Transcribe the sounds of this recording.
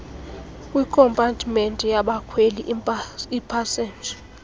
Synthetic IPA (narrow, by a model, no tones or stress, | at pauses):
kʼwikʰɔmpʼantʰʼmentʼijaɓakʰweliipʰasɛːnd͡ʒʱḁ